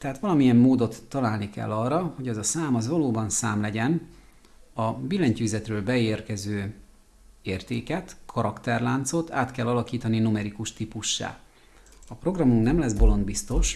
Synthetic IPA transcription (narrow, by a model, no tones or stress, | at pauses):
t̪ɛɦaːt̪ʋɒlɒmiɛmːoːd̪o̞t̪ːɒlaːlnikɛ̰lːɒrːɒho̞ɟɛzɒsaːmɒzʋɒloːbɒnsaːmlɛɟɛn | ɒbilːɛɲcyːzɛt̪røːlbɛeːrkɛzøː | eːrt̪eːkɛt̪kʰɒɾɒkt̪ɛrlaːnt̪so̞t̪a̰ːt̪kɛlːɒlɒkiːt̪ɒninumɛɾikuʃt̪ipuʃːa̰ː | ɒpro̞ɡrɒmuŋknɛmlɛzbo̞lo̞nd̪bist̪o̞ʃ